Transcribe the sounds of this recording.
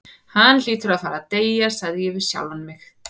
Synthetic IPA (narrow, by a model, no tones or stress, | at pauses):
hanːliːt̪ʏɾaðfaːɾat̪eːjasaðjɛvɪ̥sja̰wlvanmɪx